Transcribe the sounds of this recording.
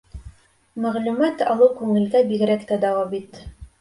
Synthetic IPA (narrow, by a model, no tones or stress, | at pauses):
mæʁlʉmæt̪ɑ̰lˠɤwkʉŋɘ̆lɡæbiɡɾækt̪æd̪æwɑbit̪